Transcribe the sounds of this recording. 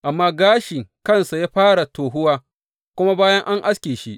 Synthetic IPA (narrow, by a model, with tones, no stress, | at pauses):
ʔa˨mːaː˦ɡaː˦ʃɪ˨ŋkɐ˦nsa˨jaː˦ɸaː˦ɽa˨toː˨ɦʊ˦waː˦ | kʷʊ˦ma˦baː˦jɐ˦ŋʔa˦ŋʔa˦skʲeː˨ʃi˦ʔ